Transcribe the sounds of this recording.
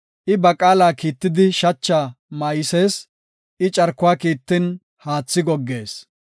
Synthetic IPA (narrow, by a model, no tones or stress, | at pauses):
ʔɪbɐkʼaːlaːkiːt̪ːɪd̪ɪʃɐt͡ʃːaːmɐjɪseːs | ʔɪt͡ʃʼɐɾkːʊaːkiːt̪ːɪn | haːt͡sːɪɡɔɡːe̞ːs